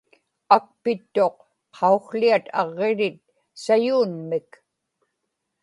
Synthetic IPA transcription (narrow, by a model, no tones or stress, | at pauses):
ak̚pɪt̪ːo̞q | qʰːɑuxliat̪ɑ̰ʁːe̞ɾɪt̪̚ | sajuːnmɪk